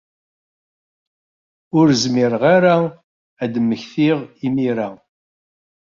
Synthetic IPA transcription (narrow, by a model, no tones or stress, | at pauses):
ʊɾzmɪɾʁaɾa | æd̪əmːəçθiʁimiɾa